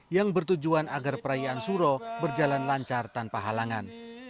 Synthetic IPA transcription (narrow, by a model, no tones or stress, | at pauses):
jaŋbərt̪ud͡ʒuanaɡarpəɾajaːnsuɾɔbərd͡ʒalanlaɲt͡ʃart̪anpaɦalaŋan